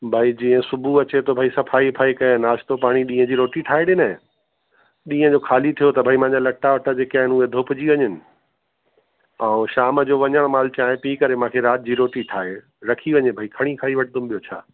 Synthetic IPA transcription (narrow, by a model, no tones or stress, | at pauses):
bʱaid͡ʑĩːə̃sʊbʱuɐt͡ɕet̪ʰobʱaisɐfʰaːipʰaːikɐnaːʃt̪opaːɽ̃iɗĩːə̃d͡ʑiːɾoːʈiʈʰaːeɗɪnə̃ | ɗĩːə̃d͡ʑoːkʰaːlit̪ʰijot̪ɐbʱaimãːɲd͡ʑalɐʈaʋɐʈʰəd͡ʑeːkiaːɦɪnued̪ʱoːpʊd͡ʑiʋɐɲənɪ̆ | ãːʃaːməd͡ʑoːʋɐɲəɽ̃maːlt͡ɕaːɦɪ̃piːkɐɾemãːkʰeɾaːt̪̚ʰɪd͡ʑiːɾoːʈiʈʰaːe | ɾɐkʰiʋɐɲebʱaikʰɐɽ̃ĩkʰaːiʋɐʈʰɪd̪ʊmɓijot͡ɕʰa̰ː